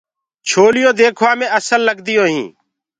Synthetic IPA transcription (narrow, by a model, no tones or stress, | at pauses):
t͡ʃʰoːlɪjõːd̪eːkʰʋaːmẽːəsəlːəɡd̪ɪjõːɦḭ̃ː